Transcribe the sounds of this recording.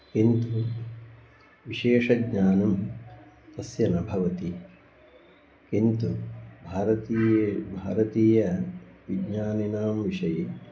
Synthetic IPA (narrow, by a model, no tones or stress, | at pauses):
kint̪u | ʋiʂeːʂɐɡɲaːnɐm | t̪ɐsjɐnɐbʱɐʋɐt̪i | kint̪ubʱaːɾɐt̪iːjebʱaːɾɐt̪iːjɐʋiɡɲaːninaːmʋiʂɐje